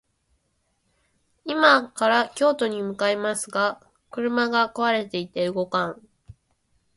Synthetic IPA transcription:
imakaɾakʲo̞ːt̪o̞ɲ̟imɯ̟kaemasɨɡa | kɯ̟ɾɯ̟maɡakoβaɾe̞t̪e̞it̪eɯ̟ɡo̞kãŋ

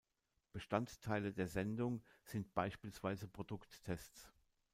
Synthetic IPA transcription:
b̥əʃtanttʰaɪlədeːɐzɛndʊŋz̥ɪnt̚b̥aɪʃpiːlsv̥aɪzəpʁ̥odʊktːʰɛstt͡s

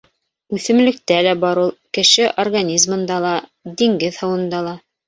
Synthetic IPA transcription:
ʉθɘ̆mlɘ̆k̚t̪ælæbɑɾulˠkɘ̆ʃɘʔorɡanʲizmɤ̆nd̪ɑlˠɑd̪iŋɡɘðhɤ̆wɤ̆nd̪ɑlˠɑ

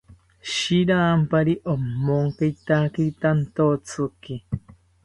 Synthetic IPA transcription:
ʃiɾaːmpaɾiʔomːoŋkejt̪akiit̪ant̪ot͡sʰɨki

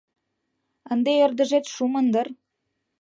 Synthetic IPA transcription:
ənd̪eerd̪ə̆ʒet̪ʃumənd̪ər

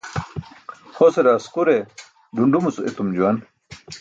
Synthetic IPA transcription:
xoseɾaːsquɾe | duɳɖumut͡suet̪umd͡ʑuwɐn

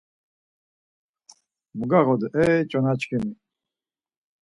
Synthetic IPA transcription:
muɡaʁɔd̪ʔɛt͡ʃʼɔnat͡ʃkʰimi

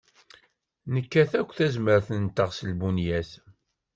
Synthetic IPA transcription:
nəkːæθækʷːθæzməɾθənt̪ːəʁsəlbunjæθ

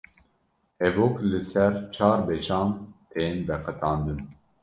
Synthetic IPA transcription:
ɛvoklɨsɛɾt͡ʃʰɑːɾbet͡ʃʰɑːmeːnbɛqət̪ɑːnd̪ɨn

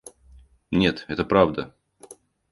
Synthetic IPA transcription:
nʲe̞t̪ɛt̪əpɾavd̪ə

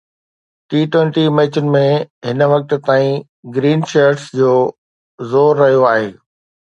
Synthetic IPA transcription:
ʈiːʈwẽɳʈimeːt͡ɕʊnɪ̆mẽɦɪnə̆ʋɐk̚t̪̆t̪aːĩ | ɡɾiːnʃəɾʈsd͡ʑoː | zoːɾːɐɦijoaːɦeː

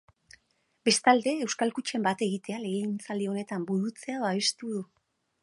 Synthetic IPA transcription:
be̞st̪ald̪e̞ːwskalkut͡ʃe̞mbat̪e̞ɣit̪e̞ale̞ɣint͡saleo̞ne̞t̪ambuɾut͡se̞aðoaβe̞st̪uðu

